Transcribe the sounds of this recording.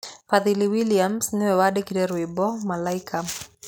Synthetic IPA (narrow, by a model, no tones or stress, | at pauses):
faðiliwiliamsniwɛwadɛkiɾɛɾwibɔmalaikʰa